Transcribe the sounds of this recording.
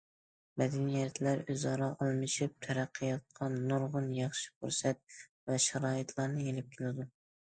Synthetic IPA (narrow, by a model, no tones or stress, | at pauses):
mæd̪ænijɛt̪læɾøzɑɾɑʔɑlˠmɨʃɪp̚t̪ʰæɾæqʰːɨjɑt̪̚qʰɑnːʊɾʁʊnjɑχʃɪ̥kʰʊɾsæt̪̚vɛʃæɾɑːit̪ʰlˠɑɾnɪelɪp̚kʲʰɪlɪd̪ʊ